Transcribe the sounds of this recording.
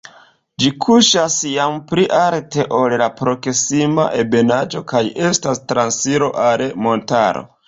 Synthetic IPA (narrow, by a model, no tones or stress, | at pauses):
d͡ʒikʰuʃasjampɾiʔaɾte̞ʔo̞llapɾo̞ksima̰ʔe̞be̞nad͡ʒo̞kaje̞stastɾansiɾo̞ʔalmo̞ntaɾo̰